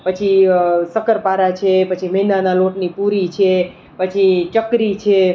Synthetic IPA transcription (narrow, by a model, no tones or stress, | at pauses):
pət͡ʃʰisəkəɾpaɾat͡ʃʰepət͡ʃʰimənanaloʈnipuɾit͡ʃʰe | pət͡ʃʰit͡ʃəkɾit͡ʃʰe